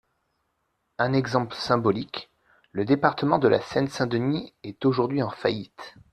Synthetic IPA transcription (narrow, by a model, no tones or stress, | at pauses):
ɛ̃nɛɡzɑ̃pləsɛ̃bɔlik | ləd̪epaʁt̪əmɑ̃d̪əla̰sɛnsɛ̃d̪əniɛt̪oʒuʁd̪ɥiɑ̃fajit̪